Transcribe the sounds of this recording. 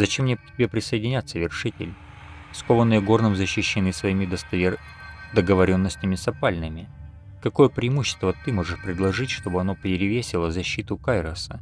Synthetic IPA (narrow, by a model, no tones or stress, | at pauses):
zɐt͡ɕemnʲetʲɪbʲepɾʲɪsəjɪdʲɪnʲat̪sːəvʲɪrʂɨtʲɪ̰lʲ | skovənːɨjəɡo̞rnɨmzəɕːɪɕːɪnɨsvɐimʲɪd̪əst̪ɐ | d̪əɡəvɐɾʲo̞nːəsʲtʲɪmʲɪsɐpalʲnɨmʲɪ | kɐko̞jəpɾʲɪːmuɕːɪ̥st̪vət̪ɨmo̞ʐɨʂpɾʲɪd̪lˠɐʐɨtʲʂt̪o̞bɨɐno̞pʲɪɾʲɪvʲesʲɪlˠəzɐɕːit̪ʊkajɾəsə